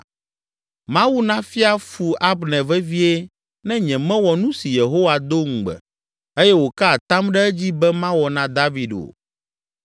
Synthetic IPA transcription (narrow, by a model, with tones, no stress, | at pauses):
mã˦wu˦nã˦fi˦a˦fu˨ʔa˦bnɛ̃˨vɛ˦vi˦e˦ | nɛ̃˦ɲɛ̃˨mɛ̃˦wɔ˨nũ˦si˨je˨ɦo˦wa˨d̪o˦ŋ̩̃˨ɡ͡bɛ̰˨ | e˦jɛ˦wo˨ka˦a˨t̪ã˦mɖɛ˦ɛ˦d͡ʑi˦bɛ˦mã˦wɔ˨nã˦d̪a˦vi˨ɖo̰˨